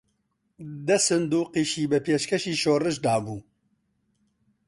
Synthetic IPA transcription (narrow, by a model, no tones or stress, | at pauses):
d̪ɛsɨnd̪uːqiːʃiːbɛpeːʃkʰɛʃiːʃoːrɨʃd̪aːbuː